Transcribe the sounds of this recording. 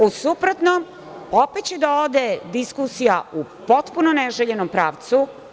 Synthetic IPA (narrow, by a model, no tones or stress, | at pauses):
usupɾot̪nom | opet̪t͡ɕed̪aod̪ed̪iskusijaupo̞t̪punoneʒeʎenompɾaːʋt̪su